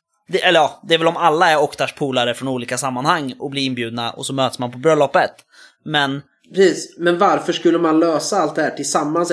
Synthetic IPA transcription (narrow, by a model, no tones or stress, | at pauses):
d̪ɛʔɛlːəɾjɑːd̪ɛæɾvɛlɔmalːaæɾɔkt̪aʂpʰuːlaɾəfɾɔnuːliːkasamːanhaŋːɔblɪɾɪnbjʉ̟ːd̪̚naʔɔ̰sɔmøːt̪smanpʰɔbɾœlːɔpːət̪ | mɛn | pʰɾɛsiːsmɛnvaɾfœʂkɵlːəmanløːsaalt̪̚d̪ɛhæːʈɪlsamːans